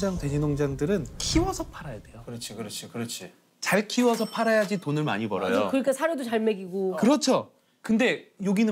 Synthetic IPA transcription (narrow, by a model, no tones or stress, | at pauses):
d͡ʑaŋtwe̞ɲʰinoŋd͡ʑaŋdɯɾɯnkʰiwʌsʰʌpʰaɾajadwe̞jokɯɾʌt͡ɕʰikɯɾʌt͡ɕʰikɯɾʌt͡ɕʰi | t͡ɕaɭkʰiwʌsʰʌpʰaɾajad͡ʑitonɯɭma̰ɲibʌɾʌjokɯɾikʰasʰaɾjodot͡ɕaɭmeɡiɡokɯɾʌt͡ɕʰo | kɯnde̞joɡinɯ